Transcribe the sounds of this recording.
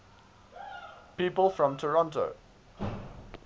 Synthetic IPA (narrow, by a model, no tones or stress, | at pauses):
piˑpəlˠfɹə̃mtʰəɹɒ̃ntə̰ʊ